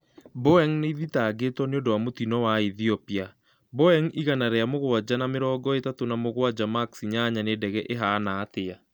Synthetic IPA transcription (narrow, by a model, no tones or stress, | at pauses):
boɛŋneiðitaːɡetwɔneondowamotinɔwaiθiɔpia | boɛŋiɣanaɾeamoɣwad͡ʑanameɾɔːɡɔetatonamoɣwad͡ʒamaksiɲaɲanedɛɣɛʔeɦaːnaːtea